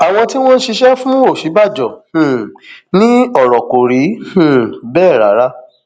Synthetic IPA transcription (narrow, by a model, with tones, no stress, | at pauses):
a˨w̃ɔ̃˧ti˦w̃ɔ̃˦n̩˦ʃi˧ʃɛ˦fũ˦o˦˨ʃi˨˦ba˦˨d͡ʒɔ̃˨nĩ˦ɔ˦˨ɾɔ˨ko˨ɾĩ˨˦˨ | bɛː˦˨ɾa˨˦ɾa˦